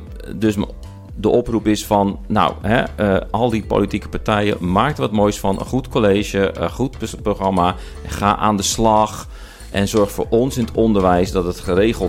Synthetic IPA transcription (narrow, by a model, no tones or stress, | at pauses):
døs | dəʔɔprupɪsfɔnːa̰wɦɛ̰əʔɔlˠdipo̰ːlitikə̥paɹtʰɛjə̰maːk̚təʋɔtmoːjsfɔnə̰nχutkoleːʒjəəχutproxrama | xa̰ːʔa̰ːndəslɑx | ʔɛnzɔɹxtfo̰ːɹʔɔnsɪnətondərʋɛjsdɔtətxəreːɣəlˠ